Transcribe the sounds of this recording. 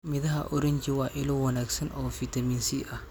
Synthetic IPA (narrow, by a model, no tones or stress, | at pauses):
mɪðɐɦɐʔʊɾɪɲd͡ʒɪwaːʔɪlɔwɐnaːɡsɐnʔɔːfit̪ʰɐmiːnsiːʔɐ